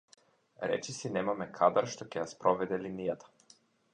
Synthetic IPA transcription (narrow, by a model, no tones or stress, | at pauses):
ɾɛ̰t͡ʃisinɛmamɛkʰad̪aɾʃt̪ɔcɛjaspɾɔʋɛd̪ɛlinijat̪ḁ